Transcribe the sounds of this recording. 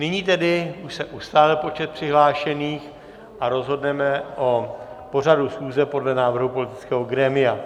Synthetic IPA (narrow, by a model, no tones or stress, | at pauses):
nɪɲiːt̪ɛdɪuʃsɛʔust̪aːlɪlpo̞t͡ʃɛt̪̚pr̥ɪɦlaːʃɛniːx | ʔaɾo̞zɦo̞dnɛmɛʔo | po̞r̝adusxuːzɛpo̞dlɛnaːvr̩ɦupo̞lɪt̪ɪt͡skɛːɦoɡɾɛːmɪa